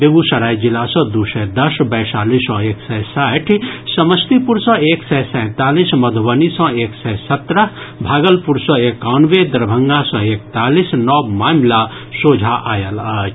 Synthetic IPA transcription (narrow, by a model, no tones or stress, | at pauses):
beɡusəɾaːjd͡ʒilasɔ̃d̪usɛd̪əsbəjsaːlisɔ̃eːksɛsaʈʰsəməst̪ipuɾsɔ̃eːksɛsɛ̃ːt̪aːlisməd̪ʱʋənisɔ̃eːksɛsət̪ɾəɦ | bʱaːɡəlpuɾsɔ̃eːkanʋed̪əɾbʱəŋɡasɔ̃ek̚t̪aːlisnɔːbmaːmla | soːd͡ʒʱaʔaːjələt͡ʃʰ